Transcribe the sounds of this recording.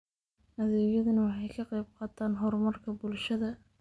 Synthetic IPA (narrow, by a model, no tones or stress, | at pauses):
ʔɐðɛːjɐðɐnɐwɑħɑjkʰɑqɑjb̚qɑːt̪ʰaːnɦɔrmɐrkʰɐbʊlʃɐðɐ